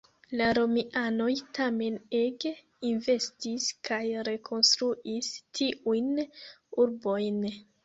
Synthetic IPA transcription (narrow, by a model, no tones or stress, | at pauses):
laɾo̞miʔano̞jtame̞neɡ | inve̞stiskʰajɾe̞kʰo̞nstɾuʔistʰiʔujnuɾbo̞jn